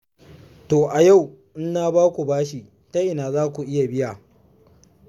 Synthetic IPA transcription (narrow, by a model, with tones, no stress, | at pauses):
toː˨ʔa˨ja˦˨w | ʔɪ˦nːaː˦baː˦kʷu˨baː˦ʃi˨ | ta˦ʔɪ˨naː˨zaː˦kʷu˨ʔɪ˦ja˨bɪ˦ja˨